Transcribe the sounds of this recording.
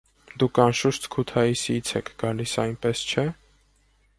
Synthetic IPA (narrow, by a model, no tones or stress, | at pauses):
d̪ukʰɑnʃuʃt̪kʰut̪ʰɑisit͡sʰɛkʰɡ̥ɑlisɑjnpɛst͡ʃʰɛ